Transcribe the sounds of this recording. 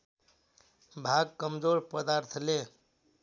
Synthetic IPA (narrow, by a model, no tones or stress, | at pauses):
bʱaɡ̚kəmd͡ʒoɾpəd̪aɾt̪ʰle